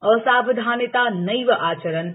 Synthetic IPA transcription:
əsabɪd̪ʱaːnət̪anəjʋəʔaːt͡ʃəɾən

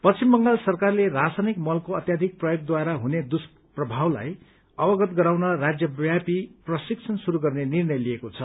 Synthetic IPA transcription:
pʌt͡simːʌŋɡalsʌrkarlerasanikmʌlkoʌt̪jad̪ʱik̚prʌjoɡ̚d̪waɾaɦuned̪us | prʌbʱawla̰j | ʌbʌɡʌt̪ɡʌɾaw̃nʌrad͡zjʌbjapiprʌsik̚t͡sʰʌnsuɾuɡʌrnenirnʌjliekot͡sʰʌ

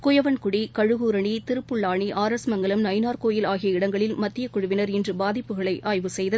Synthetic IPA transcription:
kʊjɐʋɐnkʊɽikɐɻɯɣuːɾɐɳit̪ɪɾɯpːɯɭːaːɳiʔaːɾɐsmɐŋɡɐɭɯmnɐɪnaːɾkoːjɪlaːɣɪjɐɪɽɐŋɡɐɭɪlmɐt̪ːɪjɐkʊɻʊʋɪnɐɾɛndrɯbaːðɪpːɯɣɐɭɐɪʔaːjʋɯsɛjðɐ

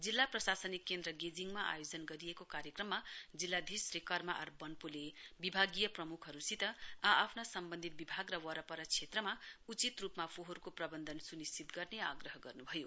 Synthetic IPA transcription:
d͡zilːaprʌsasʌnikːend̪rʌɡed͡ziŋmaʔa̰jod͡zʌnɡʌɾijekokaɾjʌkrʌmːad͡zilːad̪ʱisrekʌrmaʔʌ̰rbʌnpulebibʱaɡijʌprʌmukʰɦʌɾusit̪ʌaapʰnasʌmbʌnd̪ʱit̪̚bibʱaɡrʌwʌɾʌpʌɾʌt͡sʰet̪rʌmaut͡sit̪rupmapʰoɦʌɾukoprʌbʌnd̪ʱʌnsunistit̪ɡʌrneaɡrʌɦʌɡʌrnubʱʌjo

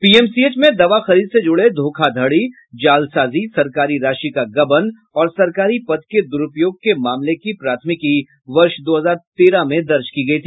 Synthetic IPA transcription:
piːɛːmsieːt͡ʃmẽd̪ɐʋaxɐɾiːd̪sed͡ʒʊɽed̪ʱoːkʰad̪ʱɐɽi | d͡ʒaːlsaːzisɐɾkaːɾiɾaːʃikaɡɐbən | ɔːɾsɐɾkaːɾipɐd̪ked̪ʊɾʊpjoːɡ̚kemaːmlekipɾaːt̪ʰmɪki | ʋɐɾʃd̪oːɦɐzaːɾt̪eːɾamẽd̪ɐɾt͡ʃkiɡɐit̪ʰiː

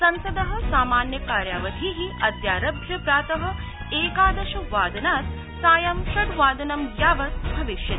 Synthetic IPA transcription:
sɐnsɐd̪ɐɦɐ̆saːmaːnjɐkaːɾjaːʋɐd̪ʱiːɦiɐd̪jaːɾɐbʱjɐpɾaːt̪ɐɦɐ̆ | eːkaːd̪ɐʃuʋaːd̪ɐnaːt̪ | saːjɐmʃɐɖʋaːd̪ɐnɐmɡjaːʋɐt̪bʱɐʋiʃjɐt̪i

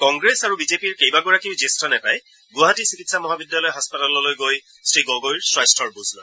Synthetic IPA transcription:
kɔŋɡɹesaɹubizepiɹkejbaɡɔɹakiʊzestʰɔnɛpaj | ɡʊaɦatisikitsamɔɦabidjalɔjɦaspatalɔlojɡoj | stɹiɡɔɡojɹsɹajstʰɔɹbuznɔ̰j

